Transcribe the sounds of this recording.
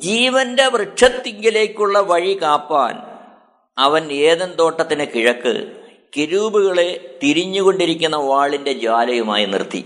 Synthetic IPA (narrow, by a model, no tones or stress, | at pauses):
d͡ʑiːʋɐnde̞ʋrɨʂɐt̪ːiŋɡile̞ːkʲːuɭːɐʋɐɻikaːpːa̰ːn | ɐʋɐneːðɐnt̪o̞ːʈːɐt̪ːinɨkiɻɐkːɨ̰ | keɾuːbuɣɐɭe̞t̪iɾiɲːuɣo̞ɳɖiɾikʲːunːɐʋaːɭinde̞d͡ʑaːlɐjuma̰ːjinḭrt̪ʰːḭ